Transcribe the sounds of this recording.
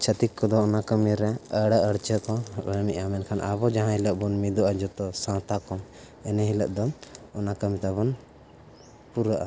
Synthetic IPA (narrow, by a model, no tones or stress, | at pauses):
t͡ʃʰət̪ikkːɔd̪ɔːnakəmiɾɛəɽaʔəɽt͡ʃəkɔəmiʔamɛnkʰanʔa̰βɔd͡ʒaɦãɦiləʔbɔnmid̪ɔʔad͡ʒɔt̪ɔsãwt̪akɔm | ɛnɛɦiləʔd̪ɔɔnakəmit̪aβɔn | puɾaʔa